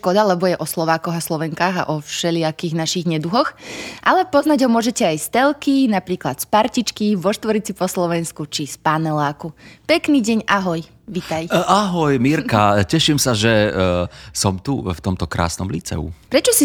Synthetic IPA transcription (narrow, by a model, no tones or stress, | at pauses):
ʃkɔd̪alɛbɔjɛʔɔslɔʋaːkɔɣaslɔʋɛŋkaːɣa̰ʔɔfʃɛʎɪakiːɣnaʃiɣɲɛd̪uɦɔxʔalɛpɔznaɟɦɔmʊɔʒɛcɛajst̪ɛlˠkinapɾiːklat̪spaɾcit͡ʃkiʋɔʃt̪ʋɔɾit͡sipɔslɔʋɛnskut͡ʃispanɛlaːkupɛkniːɟɛɲʔaɦɔj | ʋit̪ajaɦɔjmiːɾkacɛʃimsaʒɛ | sɔmt̪uft̪ɔmt̪ɔkɾa̰ːsnɔmliːt͡sɛ̰ṵpɾɛt͡ʃɔsi